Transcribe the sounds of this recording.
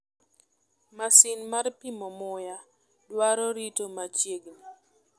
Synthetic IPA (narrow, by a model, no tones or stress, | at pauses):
masinmarpimɔmʊja | dwaɾɔɾitomat͡ʃjeɡni